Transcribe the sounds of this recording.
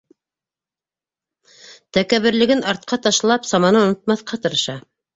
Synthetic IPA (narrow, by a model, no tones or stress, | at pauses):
t̪ækæβɘ̆ɾlɘ̆ɡɘnɑɾt̪̚qɑt̪ɑʃlˠɑpsɑmɑnɤŏnŏt̪mɑθqɑt̪ɤ̆ɾɤ̆ʃɑ